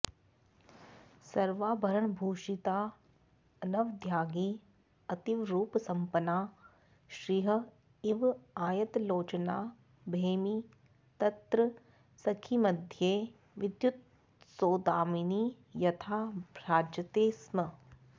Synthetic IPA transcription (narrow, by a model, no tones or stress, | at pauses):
sɐɾʋaːbʱɐɾəɳbʱuːʃit̪aː | ɐnɐʋd̪ʱjaːɡiː | ɐt̪iʋɾuːpsɐmpənaː | ʃɾiːɦɐ̆ | ɪʋaːjɐt̪loːt͡ʃənaː | bʱeːmi | t̪ɐt̪ɾə | sɐkʰimɐd̪ʱjeː | ʋɪd̪jut̪̚ | soːd̪aːmini | jɐt̪ʰaːɾaːd͡ʒɐt̪eːsmɐ